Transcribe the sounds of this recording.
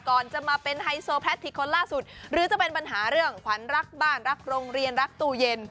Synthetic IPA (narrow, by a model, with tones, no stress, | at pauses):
kɔː˨˩nt͡ɕa˨˩maː˧pe˧nɦa˧jsoː˧pʰɛ˦˥t̪ʰːiː˨˧˩kʰo˧nlaː˥˩su˨˩t̪̚ɾɯː˩˦t͡ɕa˨˩pe˧npa˧nɦaː˩˦ɾɯ˥˩əŋkʰa˩˦nɾa˦˥k̚baː˥˩nɾa˦˥k̚ɾo˧ŋɾi˧ənɾa˦˥k̚t̪uː˧˩je˧n